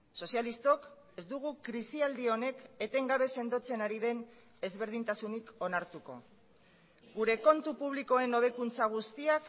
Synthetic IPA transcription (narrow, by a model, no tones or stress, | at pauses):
so̞sjalist̪o̞k | e̞zd̪uɣ̞ukɾisiald̪io̞ne̞ke̞t̪eŋɡaβ̞e̞se̞nd̪o̞t͡se̞naɾiðe̞n | e̞zβe̞ɾð̞int̪asuniko̞naɾt̪uko̞̰ | ɡuɾe̞ko̞nt̪upuβliko̞e̞no̞β̞e̞kunt͡saɣ̞ust̪iak